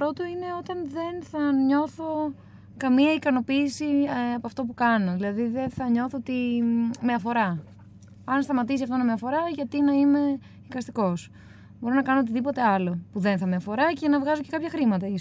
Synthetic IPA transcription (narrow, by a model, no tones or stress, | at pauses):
pɾo̞t̪o̞ine̞o̞t̪ɐnðe̞nθɐɲo̞θo̞ | kɐmiɐikɐno̞piːsiɐpoɐft̪opukɐno̞ðilɐðiðe̞nθɐɲo̞θot̪ime̞ɐfo̞ɾɐ | ɐnst̪ɐmɐt̪isiɐft̪onɐme̞ɐfo̞ɾɐʝɐt̪inɐime̞ | ikɐst̪iko̞s | bo̞ɾonɐkɐnoot̪̬iðipo̞t̪e̞ɐlo̞puðe̞nθɐmeɐfo̞ɾɐce̞nɐvɣɐzo̞ce̞kɐpçɐxɾimɐt̪ɐi